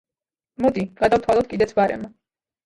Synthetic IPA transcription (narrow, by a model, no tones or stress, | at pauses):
mɔd̪iɡ̥ad̪avt̪ʰwalˠɔt̪̚kʼid̪ɛt̪sʰvaɾɛ̰ma